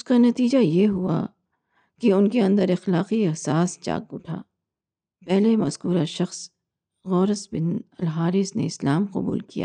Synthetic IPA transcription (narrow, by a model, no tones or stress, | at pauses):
ʊskanɐt̪iːd͡ʒajeɦua̰ | kiʊnkeɐ̃nd̪əɾɪxlaːqiɐɦsaːst͡ʃa̰ːk̚bʊʈʰa̰ː | pɛɦlemɐzkuːɾaʃɐxs | ɣɔːɾəsbɪnɐlɦaːɾɪsnḛɪslaːmqɐ̰bṵːlkija̰ː